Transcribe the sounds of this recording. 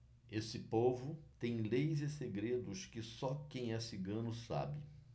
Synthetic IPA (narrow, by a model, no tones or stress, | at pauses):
esɪpovʊt̪ẽj̃lejzɪseɡɾed̪ʊskɪsɔkẽj̃ɛsɪɡɐ̃nʊsa̰bɪ